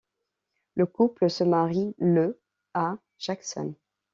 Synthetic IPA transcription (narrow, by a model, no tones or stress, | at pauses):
ləkupləsəmaʁilə | a | ʒ̥aksɔ̰n